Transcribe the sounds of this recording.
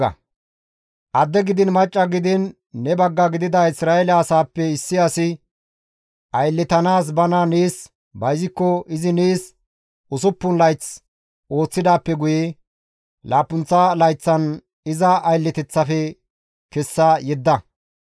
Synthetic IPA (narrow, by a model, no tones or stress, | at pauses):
ɐ̰ | ʔɐd̪ːɛɡɪd̪ɪnmɐt͡ʃʼːɐɡɪd̪ɪnː | ɛbɐɡːɐɡɪd̪ɪd̪ɐɪsɾaːelɐɐsaːpːɛɪsːɪasɪ | ʔɐjlːɛt̪ɐnaːs̬bɐnaneːs | bɐjzɪkːɔʔɪzɪneːs | ʊsʊpːʊnlɐjt͡s | ʔo̞ːt͡sːɪd̪aːpːɛɡʊjɛ | laːpːʊnt͡sːɐlɐjt͡sːɐn | ɪzɐːjlːɛt̪ɛt͡sːɐfɛ | kɛsːɐjɛd̪ːɐ